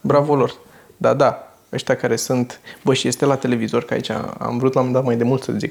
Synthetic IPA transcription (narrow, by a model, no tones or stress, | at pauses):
bɾavolo̞r | d̪a̰d̪a | əʃt̪ʲakaɾe̞sunt̪bəʃije̞st̪e̞lat̪e̞le̞vizo̞rkəa̰ḭt͡ʃa̰a̰mvɾut̪lamend̪at̪majd̪e̞mult̪sə̰zik